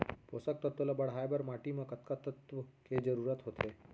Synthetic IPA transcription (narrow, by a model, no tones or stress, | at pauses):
poːsək̚t̪ət̪ʋəlabɐɽ̤ɦaːjbəɾmaːʈimɐ̃kɐt̪kət̪ət̪ʋked͡ʒəɾuːɾət̪ɦot̪ʰe